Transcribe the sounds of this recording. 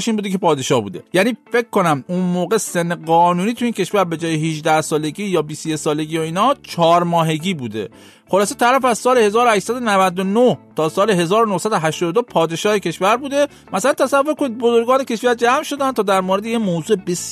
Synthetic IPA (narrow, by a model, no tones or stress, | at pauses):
ʃiːnmbuːd̪ekʰe̞pʰɒːd̪eʃɒːhbṵːd̪e̞̰jæniːfe̞kkːo̞næmunmoːɣe̞senːeɢɒːnuːniːt̪ʰuiːncʰe̞ʃvæɾbe̞d͡ʒɒːjeɦiʒd̪æhsɒːle̞ɡiːjɒːbist̪ojesɒːleɡiːjoiːnɒːt͡ʃʰɒːɾmɒːɦe̞ɟiːbuːd̪e̞̰ | χolɒːset̪ʰæɾæfæzsɒːlehe̞zɒːɾohæʃt̪sæd̪onævæd̪onoht̪ʰɒːsɒːleɦe̞zɒːɾonohsæd̪oɦæʃt̪ɔːd̪od̪opʰɒːd̪e̞ʃɒːhecʰʲe̞ʃvæɾbuːd̪e̞ | mæsælænt̪ʰæsævːoɾko̞nid̪̚bo̞zo̞ɾɡɒːnece̞ʃfijæɾd͡ʒæːmʃo̞d̪ænt̪ʰɒːd̪æɾmoɾed̪ejemoːzuːʔebes